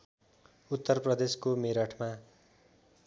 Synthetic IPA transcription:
ut̪ːʌrprʌd̪eskomeɾʌʈʰma

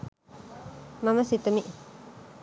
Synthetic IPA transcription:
mãmãsit̪omĩʔ

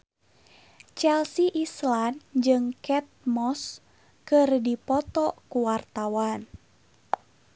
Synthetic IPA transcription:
t͡ʃɛlsiʔisland͡ʒɨŋkɛt̪̚mɔs | kɨrdipɔt̪ɔkuwart̪awan

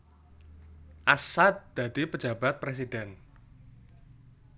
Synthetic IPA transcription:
ʔasat̪̚d̪̥a̤d̪̥ipə̥d͡ʒa̤bat̪̚pɾes̬idɛn

